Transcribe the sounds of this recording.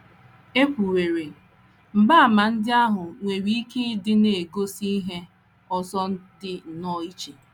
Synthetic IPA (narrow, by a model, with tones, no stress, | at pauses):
e˦kʷu˨ɾe˨ɾe˨ | m̩˨ba˦a˨ma˨n̩˦dɪ˦a˦ɦʊ˨ŋʷe˨ɾi˦i˦ke˦dɪ˦ne˨e˨ɡo˦si˦ɦe˦ | ɔ˦sɔ˦n̩˦dɪ˦n̩˨nɔ˦i˦t͡ʃe˨